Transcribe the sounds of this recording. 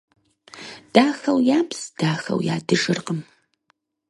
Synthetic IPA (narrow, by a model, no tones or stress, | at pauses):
d̥aːxɐwjaːpsd̥aːxɐ̰wjaːdɨʒɨrqəm